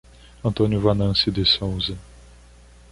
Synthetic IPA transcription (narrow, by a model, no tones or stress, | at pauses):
ɐ̃nt̪õnjʊvanɐ̃sɪd̪ɪsowzɐ